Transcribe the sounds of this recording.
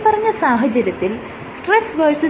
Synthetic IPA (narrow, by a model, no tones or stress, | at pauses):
pɐrɐɲːɐsaːɦɐt͡ɕɐɾɐt̪ːil | sʈresʋɐrsu